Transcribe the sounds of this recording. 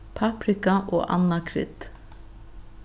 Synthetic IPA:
pʰapɾɪkaʔoːʔa̰nːakʰɾɪ̰t̪

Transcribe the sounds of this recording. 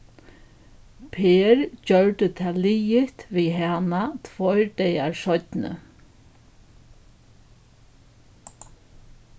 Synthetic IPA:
pʰeːɹd͡ʑœɹt̪ət̪ʰaːliːjɪht̪ʋiːɦaːnat̪ʰvɔjɹd̪ɛjaɹsɔt̪nə̰

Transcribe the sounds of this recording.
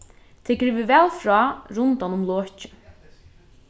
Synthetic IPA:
t̪ʰɛːkɾɪvɪvɛːlfɾɔːɾʊnt̪anʊmloːt͡ʃɪ̥

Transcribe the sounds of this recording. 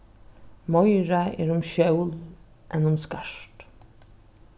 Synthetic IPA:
mɔjɹaɛ̰ːɹʊmʃœwl | ʔɛnʊmskaʂt̪

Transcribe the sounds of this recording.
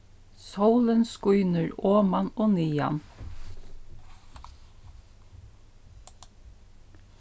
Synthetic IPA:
səwlənskʊʏnəɹoːmɑnoːniːa̰n

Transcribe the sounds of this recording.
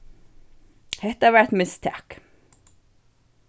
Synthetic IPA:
hɛht̪əæːʋæɹt̪mɪst̪ʰæ̰k

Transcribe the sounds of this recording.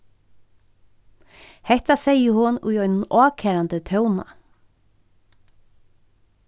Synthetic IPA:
hɛht̪asɛjəhʊnṵjɔjnʊnɔːkʰɛːɾant̪ət̪ʰœwna̰

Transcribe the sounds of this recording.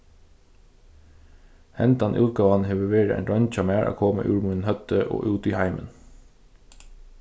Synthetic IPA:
hɛnt̪ɑnʔʉːkɑʋɑːnheːʋəʋeːɾəʔḛːnɾœnc͡çɑmeːʔɑ̰ːkʰɔːmə̰ʔʉːɹmʉnhœt̪əʔo̰ːʔʉːt̪iːhæɪmʔə̰n

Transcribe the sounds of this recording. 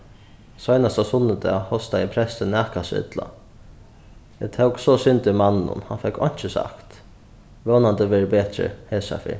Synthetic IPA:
sɔjnast̪asʊnːəd̪ɛ̰ːhɔst̪aɪpʰɾɛst̪ənɛːkasɪ̰t̪la̰ | ɛt̪ʰɛwksɔsʏnt̪ɪmanːnʊ̰nhanfɛkʰːɔ̰n̥t͡ʃəsa̰kt̪ | ʋoːnant̪əʋɛːɹəbɛːt̪ɾə̰hɛːsa̰fɪ̰

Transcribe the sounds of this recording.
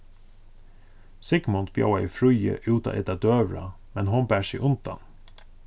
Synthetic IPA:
sɪkmɔnt̪b̥jɑ̰wɑifɾʉʏə̰ʔʉːt̪ɑ̰ʔɛt̪ɑd̪øːʋɾɑ̰ | mɛnhʊnbæːʃḭːʔʊnd̪ɑ̰n

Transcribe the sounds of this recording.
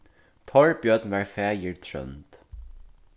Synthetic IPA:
t̪ʰɔɹbjœd̪n̩ʋæːɹfeːjiɹt̪ʰœ̰nt̪

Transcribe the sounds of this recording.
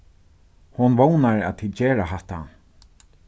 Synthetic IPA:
hʊnʋownaɹæ̰ːt̪ʰiːd̪t͡ɕeːɹaɦɛht̪a̰

